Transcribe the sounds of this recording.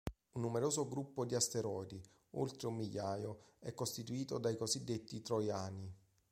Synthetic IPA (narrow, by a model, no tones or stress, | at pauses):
unːumeɾoːzoɡɾupːod̪iast̪eɾɔjd̪i | o̰lt̪ɾeumːiʎːaːjoɛkːost̪it̪uiːt̪od̪ajkozid̪ːet̪ːit̪ɾojaːni